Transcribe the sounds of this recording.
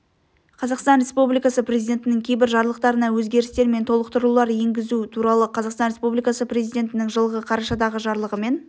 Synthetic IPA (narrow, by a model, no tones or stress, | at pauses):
qʰɑzɑqst̪ɑnɾʲe̞spublijkɑsəprʲe̞zijd̪ʲe̞nt̪ɪnɪŋkʲʰe̞jbɪɾʒɑɾlˠəq̚t̪ɑɾənɑwɵzɡʲe̞ɾɪst̪e̞ɾme̞nt̪ʰo̞lˠəq̚t̪ʰʊɾlulˠɑɾje̞ŋɡʲɪzut̪ʰuɾɑlˠəqʰɑzɑqst̪ɑnɾe̞spublijkɑsəpre̞zijd̪ʲe̞nt̪ɪnɪŋʒəlˠʁəqʰɑɾɑʃɑd̪ɑʁəʒɑɾlˠəʁəme̞n